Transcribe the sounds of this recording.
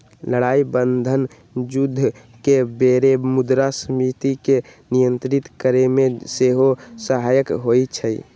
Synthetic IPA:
ləɽaibənd̪ʱən | d͡ʒud̪ʱː | kebeɾemud̪ɾasəmit̪ikenijənt̪ɾit̪kəɾemẽseɦosəɦajəkɦoit͡ʃʰəi

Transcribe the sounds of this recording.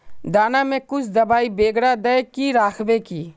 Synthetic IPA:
d̪aːnamẽkʊt͡ʃʰd̪ɐbaːibeːɡɽad̪ɐjkiɾaːkʰʋekiː

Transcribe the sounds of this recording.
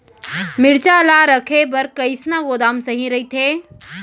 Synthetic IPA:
mɪɽt͡ʃalaːɾɐkʰebɐɾkɐɪsnaɡoːd̪aːmsɐɦĩɾɐit̪ʰeː

